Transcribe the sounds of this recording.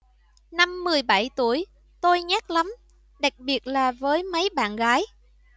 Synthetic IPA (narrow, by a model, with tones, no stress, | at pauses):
na˧mːɨ˨˩əjɓa˧˩jt̪u˧˩əj | t̪o˧jɲaː˦˥k̚la˨˦m | ɗa˨˩k̚ɓi˨˩ət̚laː˨˩vəː˨˦jmə˨˦jɓa̰ː˧˨nɣaː˨˦j